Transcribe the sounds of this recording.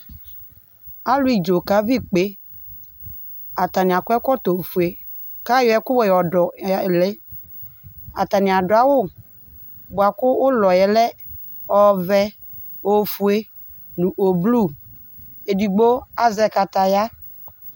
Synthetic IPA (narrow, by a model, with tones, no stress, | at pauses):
a˦lʊ˦i˨d͡ʒo˨ka˦vi˦k͡pe˦ | a˨ta˨nɪ˨a˨kʊ˦ɛ˦kɔ˦to˨fu˨e˨ | ka˦jɔ˨˦ɛ˦kʊ˦wɔ˨jɔ˨dɔ˨le˦ | a˨ta˨nɪ̃˨a˨dʊ˨a˦wʊ˦˨ | bʊ˨a˨kʊ˦ʊ˦lɔ˨jɛ˨lɛ˦ | ɔ˦vɛ˦ | o˨fu˨e˦ | nũ˨ʔo˨blu˦˨ | e˨di˨ɡ͡bo˦a˨zɛ˨ka˨ta˨ja˦